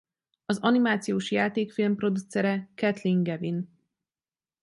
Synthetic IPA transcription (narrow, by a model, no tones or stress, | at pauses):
ɒzɒnimaːt̪sijoːʃjaːt̪eːkfilmpro̞d̪ut̪sɛɾɛkɛt̪liŋɡɛvin